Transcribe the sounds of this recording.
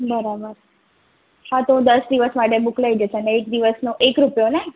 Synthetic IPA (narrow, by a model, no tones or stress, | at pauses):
bəɾabəɾ | hãt̪oũd̪əsd̪iʋəsmaʈebuklaid͡ʒəʃeneek̚d̪iʋəsnoʔekɾupjone